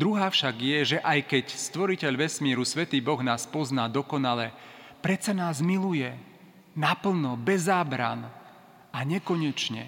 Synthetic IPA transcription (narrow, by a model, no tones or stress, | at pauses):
d̪ɾuɦaːfʃaɡjɛʒɛʔajkɛcst̪ʋɔɾicɛʎʋɛsmɪɛɾusʋɛt̪iːbɔɣnaːspɔznaːd̪ɔkɔnalɛ | pɾɛt͡sanaːzmilujɛ | napl̩nɔbɛzaːbɾa̰n | aɲɛkɔɲɛt͡ʃɲɛ̰